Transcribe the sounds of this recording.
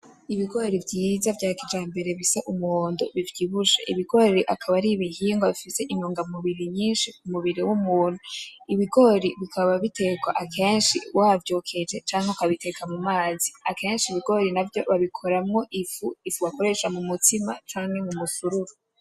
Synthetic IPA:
iβiɡo̞ːɾivɟiːzavɟaːkid͡ʒaːmbe̞ɾe̞βisaʔumuhoːndoβivjiβuʃḛʔiβiɡo̞ɾiʔakʰaβaɾiβihiːŋɡwaβifise̞ʔinoːŋɡamuβiɾiɲiːnʃikumuβiɾiwumuːn̥uiβiɡo̞ɾiβikaβaβite̞ɡwaʔakʰe̞ːnʃḭwʔavjoːkʰe̞d͡ʒe̞t͡ʃaːŋheukaaβite̞kamumaːziake̞ːnʃiβiɡo̞ɾinavjo̞βaβikʰo̞ɾamŋo̞ʔifuifuβako̞ɾe̞ʃamumutimat͡ʃaːne̞mumusuɾuɾo

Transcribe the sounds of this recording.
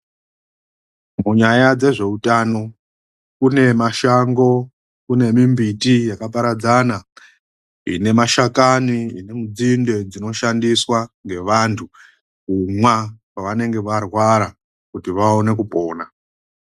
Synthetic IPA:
muɲajad͡ze̞ʐe̞utano̞ | kune̞maʃaŋɡo̞ | kune̞mimbitijakapaɾad͡zana | ine̞maʃakaniine̞mud͡zinde̞d͡zino̞ʃandiswaŋɡe̞ʋantʰu | kumwakwaʋane̞ŋɡeʋarwaɾa | kutiʋao̞ne̞k̬upo̞ːna

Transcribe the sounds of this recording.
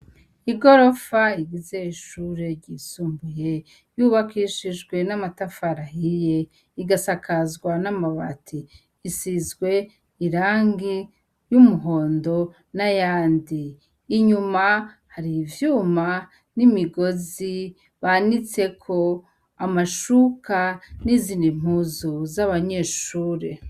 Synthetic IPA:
iɡo̞ɾo̞faiɡize̞iʃuːɾe̞ɾɟisuːmbuje̞ | juβakiʃid͡ʒɡwe̞namatafaɾahije̞ | iɡasakazɡwanamaβa̰tʰiː | sizɡwe̞ː | ɾaːŋɡi | jumuɦo̞ːndo̞ | najaːndiː | ɲuma | haɾivjuːma | nimiɡo̞zi | βanit͡se̞kʰo̞ | amaʃukanizindim̥huzuzaβaɲe̞ːʃuːɾe

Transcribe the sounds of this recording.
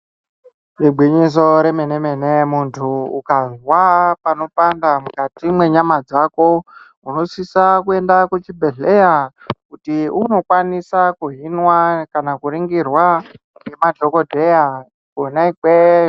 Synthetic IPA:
riɡ͡bʱwiɲis̬o̞ɾe̞meneme̞nemuntʰuukazwapano̞pandamukatimwe̞ɲamad͡zako̞ | uno̞sisakue̞ndakut͡ʃibʱe̞ɮe̞ja | kutiuno̞kwanisakuɦinwakanakuɾiŋɡirwa | emadʱo̞ko̞dʱe̞ja | konaikwe

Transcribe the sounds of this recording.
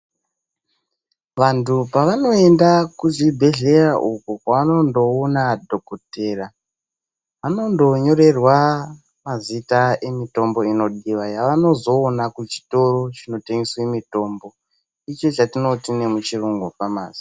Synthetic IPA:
ʋantʰupaʋano̞e̞ndakuzibʱe̞ɮe̞raʔukukaʋano̞ndo̞onadʱo̞kote̞ra | ʋano̞ndo̞ɲo̞ɾe̞rwa | mazitae̞mito̞mbo̞ino̞ɗiʋajaʋano̞zo̞ːnakut͡ʃi̥to̞ɾot͡ʃino̞teŋɡeswemito̞mbo̞ | it͡ʃo̞t͡ʃatino̞tine̞mut͡ʃiruŋɡupama̰ːzi̥

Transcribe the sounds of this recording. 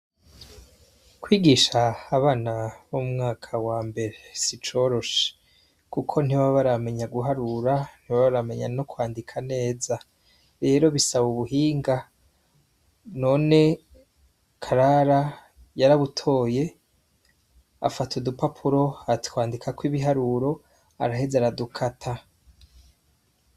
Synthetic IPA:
kwiːɡiːʃaːβaːnaβomŋaːkʰawaːmbe̞ɾesit͡ʃo̞ɾo̞ʃe̥ | kukʰo̞niwaβaɾame̞ɲaɡuɦaɾuɾan̥iwaβaɾame̞ɲa̰no̞kwaːndikʰane̞ːza | ɾe̞ːɾo̞βisaβuβuɦiːŋɡa | no̞ːne̞ | kʰaɾaɾa | jaɾaβutʰo̞ːje̞ | a̰fatʰudupapʰuɾo̞atkwaːndikʰakwiβiɦaɾuɾo̞ | a̰ɾahezaɾadukʰatʰa

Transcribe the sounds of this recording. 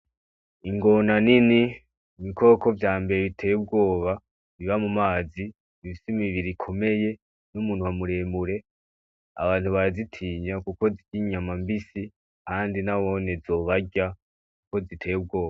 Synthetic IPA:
iŋɡo̞nanini | miko̞ːko̞vjaːmbe̞ɾeβitʰe̞jeb̚ɡo̞ːβa | βiβamumaːzi | ifisimiβiɾikʰo̞me̞je̞ | numuːn̥huwamuɾe̞ːmuɾe̞ | a̰βaːn̥huβaɾzitʰiːɲakuko̞ziɟiɲamambisi | kaːndinawo̞ne̞zo̞ːβaɟa | kuko̞zitʰe̞jeb̚ɡo̞ːβa

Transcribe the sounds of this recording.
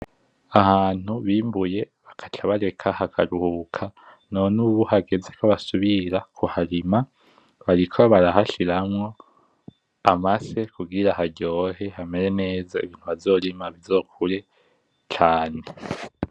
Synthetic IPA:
ahaːn̥huβiːmbuje̞ | βakʰḁt͡ʃʰaβaɾe̞kʰahakʰaɾuhukʰa | nonuβuhaɡe̞zekʰaβasuβiɾakʰuhaɾima | βaɾikʰo̞βaɾaɦaʃiɾamŋo̞ | amase̞kuɡiɾahaɟo̞ːɦe̞hame̞ɾe̞ne̞ːzaḭβiːn̥huβazo̞ːɾimaβizo̞ːkʰuɾe̞ | t͡ʃaːne

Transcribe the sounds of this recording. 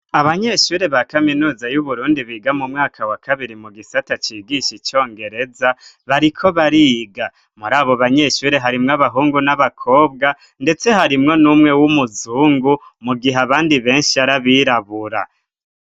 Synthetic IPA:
aβaɲe̞ʃuːɾe̞βakaminuːzajuβuɾuːndiβiːɡamumŋaːkʰawakʰaβiɾimuɡisatat͡ʃiːɡiʃit͡ʃo̞ːŋɡe̞ɾe̞zaβaɾikʰo̞βaɾiːɡa | muɾaːβo̞βaɲe̞ʃuːɾe̞ɦaɾimŋaβaɦuːŋɡunaβakʰo̞ːb̚ɡa | nde̞t͡se̞ɦaɾimŋo̞nuːmŋe̞wumuzuːŋɡumuɡiɦaβaːndiβe̞ːnʃiaɾaβiɾaβuɾa̰

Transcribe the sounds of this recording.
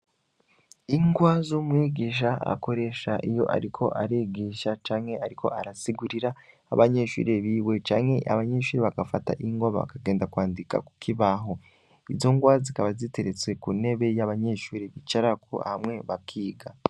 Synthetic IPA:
iŋɡwazumŋiːɡiːʃa̰ko̞ɾe̞ʃaʔijo̞̰ʔa̰ɾikʰo̞ʔaɾiːɡiːʃat͡ʃaːŋhe̞aɾikʰo̞̰ʔaɾasiɡuɾiɾaː | βaɲe̞ʃṵːɾeβiːwe̞t͡ʃaːŋhe̞ʔa̰βaɲe̞ʃuːɾeβaɡafata̰ʔiŋɡwaβa̰βa̰kaɡe̞ːndakwaːndika̰ku̥kʰiβaɦo̞ | izo̞ŋɡwazikaβazite̞ɾet͡swe̞kune̞βe̞jaβaɲe̞ʃuːɾeβit͡ʃaɾakʰo̰a̰hamŋe̞βakʰiːɡa

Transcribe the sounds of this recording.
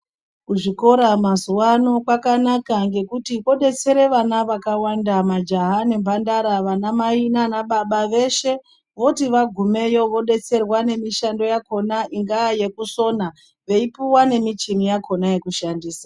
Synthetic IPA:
kuʐiko̞ɾamazuwano̞kwakanakaŋɡe̞kutio̞ɗe̞t͡se̞ɾe̞ʋanaʋakawandamad͡ʒaɦane̞mbandaɾaʋanamainanaɓaɓaʋe̞ʃe̞ | ʋo̞tiʋaɡʱume̞jo̞ʋo̞ɗe̞t͡se̞rwane̞miʃando̞jako̞naʔiŋɡaːje̞kuso̞na | ʋe̞ipuwane̞mit͡ʃimijakʰo̞naje̞kuʃandiːsḁ

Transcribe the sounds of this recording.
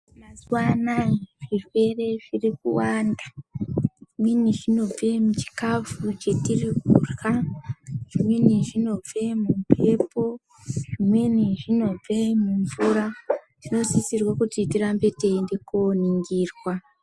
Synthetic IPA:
mazwanaʐife̞re̞ʐirik̚uwanda | ʐimweniʐino̞b͡ve̞mut͡ʃi̥kafut͡ʃe̞tirikurɣa | ʐ̥imwe̞niʐino̞b͡ve̞mupʰe̞po̞ | ʐimwe̞niʐino̞b͡vemuɱvuɾa | ʐino̞sisirwakutitirambe̞te̞indekoniŋɡiːrwa

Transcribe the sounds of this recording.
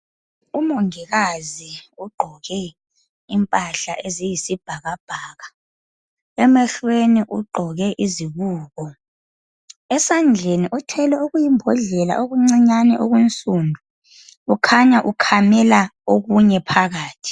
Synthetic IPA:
umoŋiɣaziuɡ͡ǃʱɔɣɛ | impʼaɬa̰ʔezijisib̥ʱaɣab̥ʱaːɣa | ɛmɛɬweniʔuɡ͡ǃʱɔɣɛʔiziβuːɣɔ | ɛsand͡ɮʱeniʔɔtʰɛlɛuɣujimbʱɔɮɛla̰ʔoɣuŋ͡ǀiɲanɛʔoɣwent͡sʼundʱuː | kʰaɲaʔukʰamɛlaoɣuɲɛpʰaɣaːtʰi̥

